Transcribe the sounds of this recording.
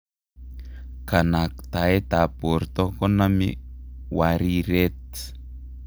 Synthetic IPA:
kanak̚t̪aet̪apuɾt̪okonamḭwaɾiɾet̪

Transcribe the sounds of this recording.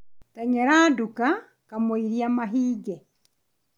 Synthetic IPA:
tɛɲɛɾaːduka | kamoiɾiamaɦiːɡɛ

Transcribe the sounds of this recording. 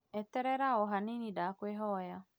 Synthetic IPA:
ɛt̪ɛɾɛɾaɔɦaninidakweɦɔja

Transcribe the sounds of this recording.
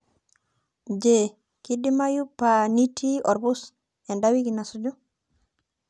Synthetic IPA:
d͡ʒe | kidimajupanitʰiʔɔɾbus | jandawikinasud͡ʒu

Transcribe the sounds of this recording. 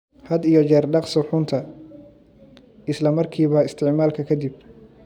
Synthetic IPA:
hɐd̪ijɞt͡ʃɛːrɖɑqsʊħʊnt̪ʰɐ | ɪslɐmɐrkʰiːβɐɪst̪ʰɪʕmaːlkʰɐkʰɐd̪ib̚

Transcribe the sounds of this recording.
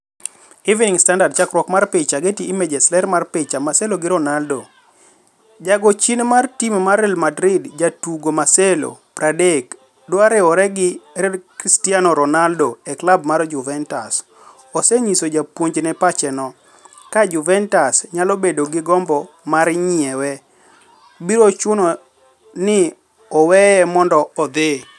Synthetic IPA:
iviniŋstandard̚t͡ʃakɾwɔkmarpɪt͡ʃaɡetiʔimed͡ʒɛslɛɾmarpɪt͡ʃamasɛloɡɪɾɔnaldo | d͡ʒaɡot͡ʃinmartimmarɛlmadɾɪdd͡ʒatuɡomaselo̰pɾadek | doaɾɛɔɾɛɡɪɾɛkɾistianɔɾɔnaldoɛklabmard͡ʒʊvɛntas | ɔsɛɲisod͡ʒapwoɲd͡ʒnɛpat͡ʃɛnɔ | kad͡ʒʊvɛntasɲalɔbedoɡɪɡɔmbɔ | maɾɲɪɛwɛ | biɾot͡ʃʊnɔ | nɪ | ɔwɛɛmɔndɔːd̪e

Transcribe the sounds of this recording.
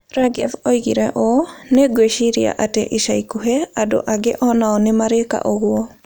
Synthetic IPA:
ɾaɡɛvoiɣiɾɛʔoneɡweʃiɾia̰ʔatḛʔeʃaikuɦeado̰ʔaɡeʔɔnaɔnemaɾeka̰ʔoɣwɔ

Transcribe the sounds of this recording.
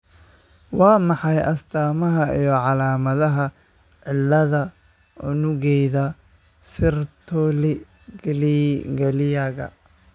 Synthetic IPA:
wɑːmɑħɑjʔɐst̪ʰaːmɐɦɐijɔʕɑlaːmɐðɐɦɐ | ʕɪlːɐðɐ | ʊnʊɣɛjðɐ | sɪrt̪ʰɔlɪ | ɡliɡɐlɪjɐɣɐ̰

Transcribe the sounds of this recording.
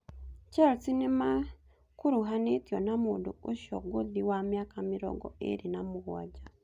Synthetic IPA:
caɾot͡sinima | kuɾuɦanetijonamundṵuʃo̰ɡuðiwamjakamiɾo̰ɡo̰ḛɾinamuɣwa̰ɟa

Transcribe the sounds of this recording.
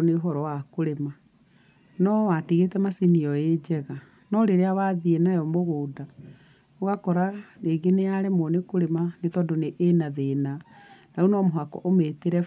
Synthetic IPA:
neoɦɔɾɔwakoɾema | nɔwatiɣetɛmasiniɔed͡ʑɛɣa | nɔɾeɾeawaðienajɔmoɣoːda | oɣakɔɾaneːɡenejaɾemonekoɾemanetɔdoneʔːnaðenanaunɔmoɦakɔ̰ʔometeɾɛ

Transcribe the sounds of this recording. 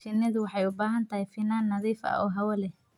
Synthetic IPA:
fɪnɪðʊwɑħɑjʊbaːɦɐnt̪ʰɐhɛjfɪnaːnːɐðiːfɐ̰ɔːɦɐwɐlɛ

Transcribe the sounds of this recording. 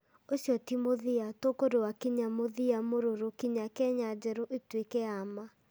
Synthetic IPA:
osjɔtimoðiatokoɾowakiɲamoðiamoɾoɾokiɲakɛɲad͡ʑɛɾoʔetwekɛama

